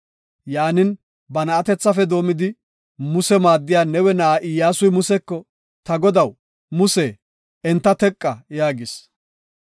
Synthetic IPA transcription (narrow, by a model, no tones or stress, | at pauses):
jaːnɪn | bɐnɐːt̪ɛt͡sːɐfɛd̪o̞ːmɪd̪ɪ | mʊsɛmaːd̪ːɪjaːnɛwɛnɐʔaʔɪjːaːsʊjmʊsɛkːɔ | t̪ɐɡɔd̪ɐw | mʊseː | ɛnt̪ːɐt̪ɛkʼːɐjaːɡɪs